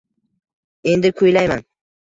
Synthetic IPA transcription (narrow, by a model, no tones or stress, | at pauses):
e̞nd̪ɪkʰʊjlajman